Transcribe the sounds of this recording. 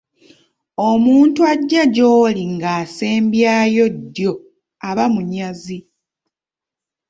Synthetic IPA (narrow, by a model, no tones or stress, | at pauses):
omuːntuaɟːaɟo̞ːliŋɡaːse̞ːmbjaːjo̞dːjo̞ | aβamuɲazi